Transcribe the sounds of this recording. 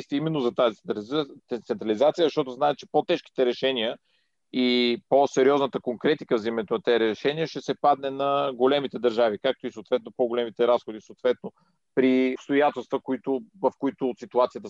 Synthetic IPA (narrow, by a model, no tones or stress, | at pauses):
st̪ɛimɛnːozɐt̪azi | t̪sɛnt̪ɾɐlizat̪sijəzɐʃt̪ɔt̪ʊznaɛt̪̚t͡ʃɛ̥pot̪ɛʃki̥t̪ɛɾɛʃɛnijə | iposɛɾiɔznət̪əkoŋkɾɛt̪ikəvzimɛt̪onɐt̪ɛɾɛʃɛniəʃɛsɛpad̪nɛnɐɡolɛmit̪ɛd̪ɐɾʒavikak̚t̪oisoːt̪vɛt̪̚nopoɡolɛmit̪ɛɾasxod̪isoːt̪vɛt̪̚no | pɾipst̪ojat̪ɛlˠst̪vəkoit̪ʊvɐfkoit̪ʊt̪sit̪uat̪sijət̪ə